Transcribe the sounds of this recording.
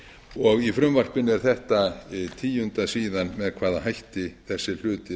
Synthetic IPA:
ɔɣifɾʏmvar̥pɪnɛɾ̥θɛht̪at̪ʰiːjʏnt̪asiːðanmɛðkʰvaːðahajht̪ɪθɛsːɪl̥ʏːt̪ɪ

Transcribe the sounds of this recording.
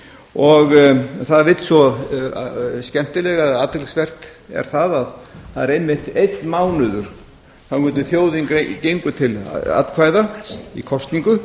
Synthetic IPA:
ɔɣθaðvɪt̪svɔ | scɛm̥t̪ɪlɛɣaaːt̪ɪlsvɛr̥t̪ɛ̰ɾ̥θaðaðθaðɛɾejmːɪht̪ejt̪nmaːwnʏðʏɾ̥ | θawkʏːt̪̬ʏθjoːwðiŋkecejŋkʏt̪ʰɪla̰t̪kʰvaːjðaḭkʰɔst̪niŋkʏ

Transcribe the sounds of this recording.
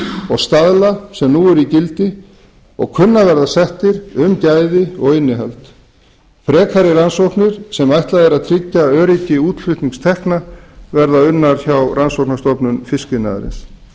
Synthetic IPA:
ɔɣst̪aðlasɛmnuɛɾicɪlt̪ɪ | ɔ̰ɣkʰʏnːavɛɾðasɛht̪ɪɾʏmcaːjðɪɔɣɪnːɪɦalt̪ | pɾɛːkʰaɾɪɾansowhknɪɾ̥sɛmajht̪laðɛɾaðt̪ʰɾɪcːaœːɾicɪuːt̪lfʏht̪niŋkst̪ʰɛhknavɛɾðaʏnːaɾ̥çawransɔwknast̪ɔpnʏnfɪskɪna̰ðɾɪ̰ns

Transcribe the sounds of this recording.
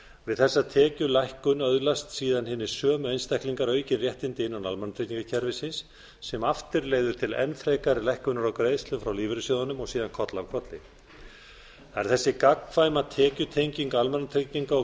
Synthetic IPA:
vɪðθɛsːat̪ʰɛːcʏlajhkʏnœðlast̪siːðanhɪnːɪ̥sœːmʏejnst̪ɛjhkliŋkaɾœːɥcɪrjɛht̪ɪnt̪ɪɪnːanalmɛnat̪ʰeciŋkacʰɛɾvɪsɪnsː | ɛmaft̪ɪɾleːjðʏɾ̥t̪ʰɪlɛ̰nfɾejkaɾɪlajhkʏnaɾawkɾeðst̪lʏfɾawliːvɾɪsjowðanʏmɔɣsiːðankʰɔt̪lawkʰɾɔt̪lɪ | θaɛɾ̥θɛsːɪkakŋfajmat̪ʰɛːcʏt̪ʰejɲciŋkalmɛnːat̪ʰɾejciŋkaɔ

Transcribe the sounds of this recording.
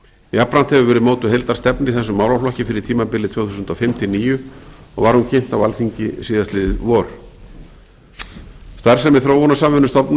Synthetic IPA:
iapːɾan̥t̪hɛvʏvɛːɾɪðmoːwt̪ʏɦejlt̪aɾ̥st̪ɛpnɪiθɛsːʏmːawlawflɔhcɪfɪɾɪɾ̥t̪ʰiːmapɪlːɪt̪ʰvoːwθusʏnt̪ɔfɛmt̪ʰɪniːjʏɔ̰ɣvaɾhuncʰejn̥t̪awalθiɲcɪsiːðast̪lɪðɪvɔːɾ | st̪aɾ̥sɛmːɛðθɾoːwhɔnasamvɛnʏmst̪ɔpn

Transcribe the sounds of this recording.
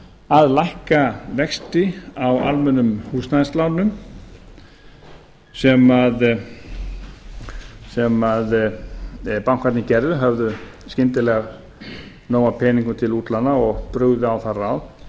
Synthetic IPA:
aðlajhkavɛkst̪ɪawa̰lmɛnːʏmhuːsnaðst̪lawnʏm | sɛmað | sɛmað | pawŋkʰaɾt̪nɪcɛɾðʏɦœvðʏ | scɪnt̪ɪlɛɣa | noːwapʰɛːniŋkʏt̪ʰɪluːt̪lanaɔɣpɾʏɣðʏawθarːawð

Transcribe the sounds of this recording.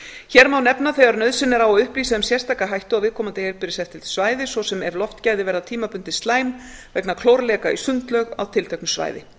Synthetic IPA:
çɛɾmawnɛpnaθejɣaɾnœɥðsɪnːɪɾawɔʏhpliːsaðʏmsjɛr̥st̪ʰajkaɦajht̪ʏawvɪð̥kʰɔːmat̪ejɾpɪɾɪ̥sɛft̪ʰɪ̥svaːjðɪsvɔsɛmɛvlɔft̪caːjðɪvɛːɾðat̪ʰiːmapʏnt̪ɪst̪laːjmvɛknakʰlowɾlɛːkaḭsʏnt̪lœɣa̰wt̪ʰɪlt̪ʰɛhknʏsva̰ːjðɪ̰

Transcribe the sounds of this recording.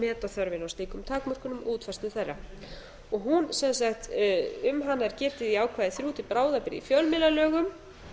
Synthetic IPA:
mɛːt̪aθœɾvɪnawst̪iːkʏmt̪ʰaːkmœr̥kʏnʏmʔuːt̪fɛrst̪ɪθɛrːa̰ | ɔɣɦunsɛnsaxt̪ʏmɦanːaɛɾcɛːt̪ɪðiaːwkʰvaːðɪθɾjuːt̪ɪpɾaːwðapɪɾɪ̰ḭfjœlmɪnalœːɣʏm

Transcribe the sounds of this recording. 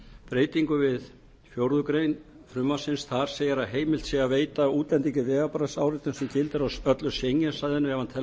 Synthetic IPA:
pɾeːjt̪iŋkʏvɪð | fjowɾðʏkɾejn | fɾʏmːasɪnsθaɾ̥seːjaɾaɦeːjmɪl̥t̪siɛɣaveːjt̪auːt̪lɛnt̪iŋcɪvɛːɣapaɾasaːwɾɪt̪ʏnsɛmcɪlt̪ɪɾawœt̪lʏsjejɲːɛsajðɪnːʏɛvant̪ʰɛ

